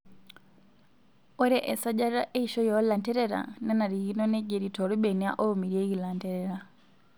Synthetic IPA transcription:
ɔ˦ɾɛ˦ʔɛ˨sa˦ɟa˦ɾɾa˦ʔɛiʃɔ˦jɔla˨ntɛ˦ɾɛɾa̰na˦na˨ɾi˨ɣi˦nɔ˦nɛɟɛ˨ɾitɔɾi˦bɛnia̰˦ʔɔ˦u˨mi˨ɾiɛɣi˨la˨ntɛɾɛɾa

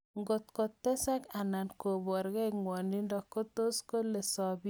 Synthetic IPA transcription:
ŋɡo˨t̪ko˨t̪ːɛ˦sa˦ka˨na˨nko˨bɔ˨ɾɡɛ˦kŋwɔ˨ni˦ndɔ˨ko˦t̪o˦sko˦le˨sɔ˦bi˦

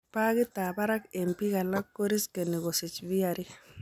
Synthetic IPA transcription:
pa˦kɪ˦t̪a˨ba˦ɾa˦ke˨mpi˦ka˨la˦kːo˦ɾi˦ske˨ni˨ɡo˨sɪ˨t͡ʃbi˦a˨ɾi˦

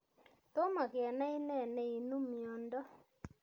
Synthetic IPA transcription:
t̪o˦ma˨kɪ˨a˨na˦i˦nɛ˦˨nɛ˨i˨no˦mjɔ˨ndɔ˦

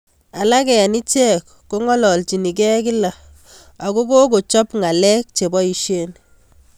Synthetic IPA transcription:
a˨la˦kɛ˨ni˦t͡ʃɛ˦kːo˦ŋɔ˦lɔ˨lt͡ʃi˨ni˨k̬ɛ˦kɪ˦la˨ | a˨ko˦ko˦ko˨t͡ʃɔ˦pŋa˨lɛ˦k̚t͡ʃe˨bɔ˦i˨ʃe˦n

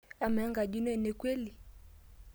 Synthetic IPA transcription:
a˨mɛ˨a˦ŋɡa˨ʄi˦n˦ɛ˨nɛ˨kwɛ˦li˨

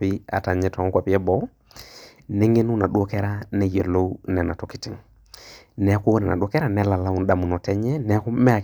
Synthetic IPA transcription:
pi˦a̰˨ta˨ɲɛ˨tɔ˨ŋ˦kwa˨pi˦ɛ˦bɔ˦ | ne˦ŋe˦nu˦na˨ɗu˦o˦kɛ˦ɾa˦nɛ˨je˨lo˦wnɛ˨na˨tɔ˨ki̥˨ti˨ŋ | nɛ˨˦ku˦nɛ˨na̰˨ɗu˦o˦kɛ˦ɾa˦nɛ˦la˨la˦u˦nɗa˨mu˨nɔ˨tɛ˦ɲɛ˦nɛ˦ku˦mɛ˦a˨k

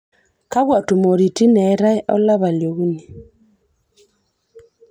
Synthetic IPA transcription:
ka˦βwa˨tu˨mo˨ɾi˨ti˦nɛ˨˦ɾa˦ɛ˦ʔɔ̰˦la˦βa˨ljo˨ɣu˦ni˨

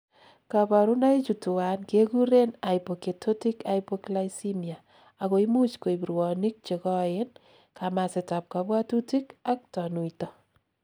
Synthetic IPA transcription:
kaba˨ɾu˦na˦i˦t͡ʃu˨tu˨a˨nke˦ɡu˦ɾe˦na˨jpo˨ke˨tʰo˦ti˦ka˨jpo˦klajsi˦miaː˨ | ko˨i˦mu˦t͡ʃko˨i˨bi˨ɾwɔ˨ni˦k̚t͡ʃe˨kɔ˦ɪ˦n | kʰama˨sɪ˨ta˨p̚ka˨bwa˦tu˦ti˦ka˦k̚tɔ˨nu˨itɔ˨

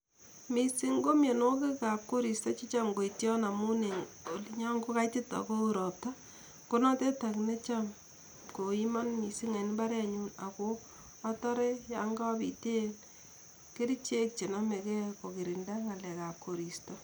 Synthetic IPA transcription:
mi˨si˦ŋɡo˦mje˨no˦ke˦ka˨p̚ko˦ɾi˨stɔ˦t͡ʃi˦t͡ʃa˦mɡo˨i˨tjɔ˦na˨mu˦ne˨ | o˨li˨ɲɔ˦ŋɡo˦ka˦jti˦ta̰˨ko˦u˦ɾɔ˨p̚ta˦ | ko˦na˦te˦ta˨kne˦t͡ʃa˦m | ko˨i˦ma˦nmi˨si˦ŋe˨n˦ba˦ɾa˨ɲu˦na̰˨ko˦ | a˦ta˦ɾɛ˦ja˨ŋɡa˦pḭ˨te˦n | ke˦ɾi˦t͡ʃe˦k̚t͡ʃe˨na˦me˨kɛ˦ko˨ki˨ɾi˨nda˦ŋa˨lɛ˨ka˨p̚ko˨ɾi˨stɔ˦

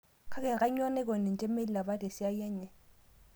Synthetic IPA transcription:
kʰa˦kɛ˨kʼa˦ɲɔ˦nɛ˦k̬ɔ˨nɛ˨n̩˨t͡ʃʼe˦me˦li˦la˨ba˦dɛ˨sɪ˦a˦jɛ˦ɲɛ˨

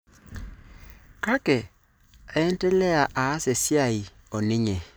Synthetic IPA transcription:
ka˦kɛ˨ | aː˦n˦tɛ˦lɛ˦a˨ʔa˨a˦se˨sja˦˨i˨ | o˨ni˦ɲɛ˨

